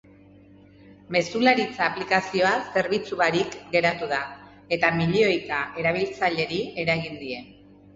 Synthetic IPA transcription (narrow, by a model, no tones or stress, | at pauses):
me̞sulaɾit͡saːplikasio̞ase̞ɾβit͡suβaɾikɡe̞ɾat̪uða | e̞t̪amiʎeo̞jkaʔe̞ɾaβ̞ilt͡saʎe̞ɾie̞ɾaɣind̪ie̞